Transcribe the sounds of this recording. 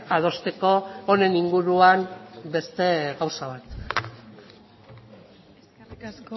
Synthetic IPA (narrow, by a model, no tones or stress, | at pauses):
að̞o̞st̪e̞ko̞ːne̞niŋɡuɾuambe̞st̪e̞ɣawsaβ̞at̪